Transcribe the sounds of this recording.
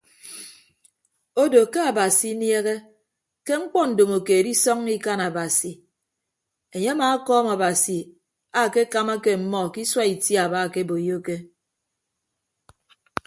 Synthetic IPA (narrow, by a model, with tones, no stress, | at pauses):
o˦do˨ke˦a˨ba˨si˨˦nje˦ɣe˦ | ke˦ŋ͡m̩˦k͡pɔ˦n̩˨do˨mo˨keː˨di˦sɔ˦ŋi˦ka˦na˨ba˨si˨ | e˨ɲe˦a˦maː˨˦kɔː˦ma˨ba˨si˨ | a˦˨ke˦ka˦ma˦ke˦m̩˨mɔ˦˨ki˦swa˦i˨tja˨ba˦˨ke˦bo˨jo˦ke˦